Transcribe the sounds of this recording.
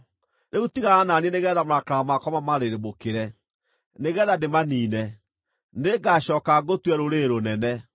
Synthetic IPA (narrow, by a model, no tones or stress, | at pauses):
neutiɣaananiɛneɣɛːðamakɾamakɔmamaɾeɾemokeɾɛ | neɣɛðademaniːnɛ | neɡaɕɔːkaɡotwɛɾoɾeɾonɛnɛ